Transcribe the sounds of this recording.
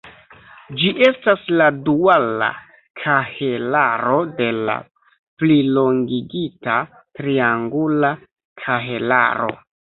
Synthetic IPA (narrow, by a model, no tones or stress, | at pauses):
d͡ʒiʔe̞stasladuala̰ | kʰahe̞laɾo̞de̞la̰ | plilo̞ŋɡiɡita | tɾiaŋɡula | kʰaɦe̞la̰ɾo̞̰